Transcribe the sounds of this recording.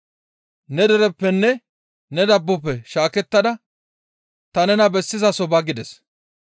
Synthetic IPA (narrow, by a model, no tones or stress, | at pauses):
nɛd̪ɛɾɛpːɛnːɛ | nɛd̪ɐbːɔpːɛʃaːkɛt̪ːɐd̪ɐ | t̪ɐnɛnɐbɛsːɪzɐsɔbɐɡɪd̪ɛs